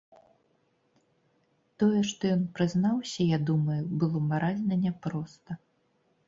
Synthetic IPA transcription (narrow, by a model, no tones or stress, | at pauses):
t̪ɔjɛʂt̪ɔjɔnpɾɨznawsʲɐjad̪umɐjubɨlˠɔmaɾazʲnɐnʲɛpɾɔst̪ɐ